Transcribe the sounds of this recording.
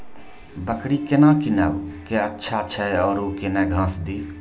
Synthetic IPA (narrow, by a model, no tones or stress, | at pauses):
bəkɽikenãːkinəʋkeətːʃʰat͡ʃʰɛeɔːɾoːkenɛɡʱãːsd̪iː